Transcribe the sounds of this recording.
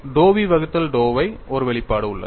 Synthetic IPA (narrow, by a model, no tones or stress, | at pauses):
ɖoːʋiʋɐɣɯt̪ːɐlɖoːʋɐɪɔɾɯʋɛɭɪpːaːɽɯʊɭːɐ̰ð